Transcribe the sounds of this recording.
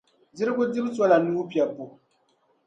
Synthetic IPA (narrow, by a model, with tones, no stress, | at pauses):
di˦ɾɨ˦ɡʊ˦dɪ˦m˦swɔ˦la˨nu˦pi˨ɛ˨bo˨